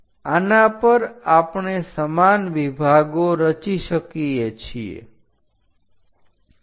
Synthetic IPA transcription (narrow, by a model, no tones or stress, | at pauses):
anapəɾapɳesəmanʋibʱaɡoɾət͡ʃiʃəkijet͡ʃʰiḛ